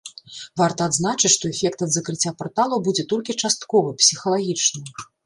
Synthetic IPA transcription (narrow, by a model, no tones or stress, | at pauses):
vart̪ɐːd̪zn̪at͡ʂɨt͡sʲʂt̪ɔɛfʲɛkt̪ɐd̪zɐkɾɨt͡sʲːapɔrt̪alˠɐwbud͡zʲɛt̪ɔlʲkʲit͡ʂast̪̚kɔvɨpsʲixɐlˠaɣʲit͡ʂnɨ